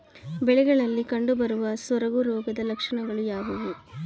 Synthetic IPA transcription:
bɛɭɪɣɐɭɐlːikɐɳɖɯbɐɾɯʋɐsɔɾɐɣɯɾoːɣɐðɐlɐkʂɐɳɐŋɡɐɭɯjaːɣɯʋɯ

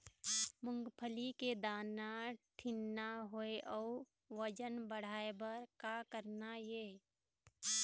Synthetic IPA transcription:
mʊ̃ŋɡpʰəliked̪aːnaʈʰɪnːaɦoeʔɔː | ʋəd͡ʒənbəɽ̤aːebəɾkakəɾnaje

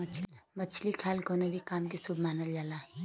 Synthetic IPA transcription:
mət͡ʃʰlikʰaːlɡʱoːnobʱikaːmkisubʱmaːnəld͡ʒaːlaː

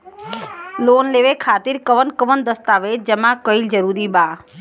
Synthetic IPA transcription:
loːnleʋekʰaːt̪iɾkəʋənkəʋənd̪əst̪aːʋed͡ʒemãkəild͡ʒəɾuːɾibaː

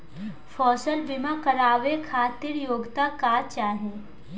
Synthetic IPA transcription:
fɔːsəlbɪmakəɾaːʋekʰaːt̪ɪɾjoːɡt̪akaːt͡ʃaːɦɛ̃ː

